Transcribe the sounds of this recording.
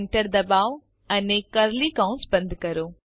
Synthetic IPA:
ɳʈəɾd̪ɐbaːʋ | ɐnekɐɾlikãʊ̃nsbə̃nd̪ʱkɐɾoː

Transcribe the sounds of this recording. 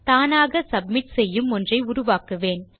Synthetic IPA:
t̪aːnaːɣɐsɐb̚mɪʈsɛjːɯmɔndrɐɪʊɾʊʋaːkɯʋeːn

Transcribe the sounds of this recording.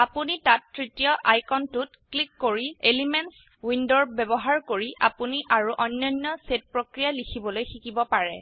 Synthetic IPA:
apunitatːɹitijɔʔajkɔntutklikːoɹielimɛns | windɔɹbɛbɔɦaɹkoɹiʔa̰puniʔaɹuʔɔnjɔjnːɔset̚pɹokɹijalikʰibɔlojxikibɔpaɹɛ̰

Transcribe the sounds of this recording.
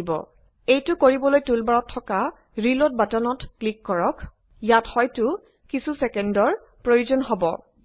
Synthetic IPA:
bɔ̰ | ejtʊkoɹibɔlojtulbaɹɔtʰːɔka | ɹilɔt̚batɔnɔtklikːɔɹɔk | jathɔjtʊ | kisusɛkɛndɔɹ | pɹojuzɔnɦɔbɔ̰

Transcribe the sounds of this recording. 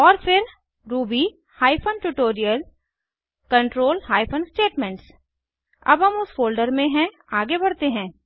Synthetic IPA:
ɔːɾfɪɾ | ɾuːbi | haːɪfʰənʈuʈoːɾijəl | kɐ̃ɳʈɾoːlhaːɪfʰənsʈeːʈmɛ̃ɳʈs | ɐ̰bɦɐmʊsfoːlɖəɾmẽɦɛ̃ | aːɡebɐɽ̤t̪eɦɛ̃ː

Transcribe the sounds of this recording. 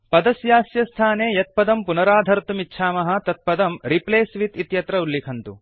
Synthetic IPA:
pɐd̪ɐsjaːsjɐst̪ʰaːneːjɐt̪̚pɐd̪ɐmpunɐɾaːd̪ʱɐɾt̪umitːʃʰaːmɐɦɐ̆t̪ɐt̪̚pɐd̪ɐmɾipleːsʋit̪it̪jɐt̪ɾɐulːikʰɐnt̪ṵ

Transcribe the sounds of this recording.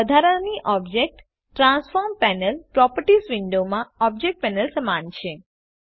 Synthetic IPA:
əd̪ʱaɾəniʔɔbd͡ʒek̚ʈː | ɾãnsfɔɾmpɛnəlpɾɔpəɾʈisʋɪɳɖomãɔb̚d͡ʒek̚ʈ̚pɛnəlsəmant͡ʃʰe

